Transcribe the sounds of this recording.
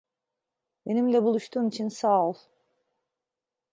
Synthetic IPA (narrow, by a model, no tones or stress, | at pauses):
be̞nimlʲɛbulˠuʃt̪ʰuːmit͡ʃʰinsalˠ